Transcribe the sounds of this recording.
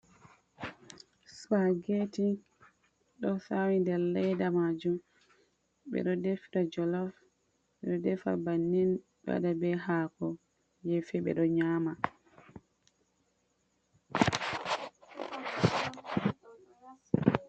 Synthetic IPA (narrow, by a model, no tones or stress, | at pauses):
swaɡeti | ɗɔsawindɛɾlɛjdamad͡ʒum | ɓɛ̰ɗɔdefiɾad͡ʒɔlaf | ɓɛɗɔdɛfa̰banːin | ɓɛa̰dabɛɦaːkɔ | jefɛɓɛ̰ɗɔɲaːma